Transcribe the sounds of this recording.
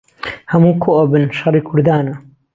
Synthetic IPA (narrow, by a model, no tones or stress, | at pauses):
hɐmuːkʰoʔabɨnʃɑɾˤiːkʰʊɾd̪aːna